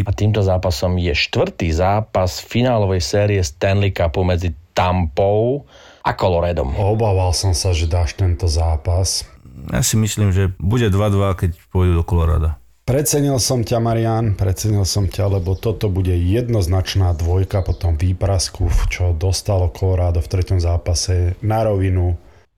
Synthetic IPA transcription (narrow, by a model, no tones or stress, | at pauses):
at̪iːmt̪ɔzaːpasɔmjɛʃt̪ʋr̩t̪iːzaːpasfinaːlɔʋɛjsɛːɾiɛst̪ɛnlikapumɛd͡zit̪ampɔʊ | ʔakɔlɔɾajd̪ɔ̰mɔbaːʋalsɔmsaʒɛd̪aːʃt̪ɛnt̪ɔzaːpasja̰simisliːmʒɛbuɟɛd̪ʋad̪ʋakɛcpʊɔjd̪uːd̪ɔkɔlɔɾa̰ːd̪a | pɾɛt͡sɛɲilsɔmcamaɾianpɾɛt͡sɛɲilsɔmcalɛbɔt̪ɔt̪ɔbuɟɛjɛd̪nɔznat͡ʃnaːd̪ʋɔjkapɔt̪ɔmʋiːpɾaskuft͡ʃɔd̪ɔst̪alɔkʰɔlɔɾaːd̪ɔft̪ɾɛcɔmzaːpasɛnaɾɔʋinu